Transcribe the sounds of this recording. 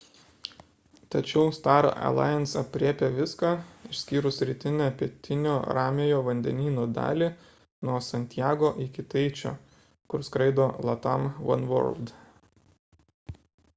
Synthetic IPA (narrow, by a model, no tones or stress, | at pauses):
t̪ɐt͡ʃʲɛʊst̪ɑːɾo̰ʔɐ̰lˠɑ̰ːɪɛnsɐpʲɾʲiːpʲeʋʲɪskɑɪʃʲsʲkʲiːɾʊssʲɾʲɪt̪ʲɪnʲæpʲit̪ʲɪnʲoːɾɑːmʲejoːʋɐnʲd̪ʲɛ̰nʲiːnoːd̪ɑ̰ːlʲiː | nuɔsɐnʲt̪ʲjæːɡoːʔɪkʲɪt̪ɐɪt͡ʃʲo̰ː | kʊɾskɾɐɪd̪oːlˠɐt̪ɐmʋɐ̰nʋɔ̰ɾlˠd̪